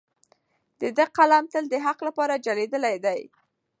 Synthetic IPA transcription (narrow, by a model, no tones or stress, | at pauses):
d̪̥əd̪əqalamt̪əld̪əɦaqlapɑɾad͡ʒaled̪əlajd̪aj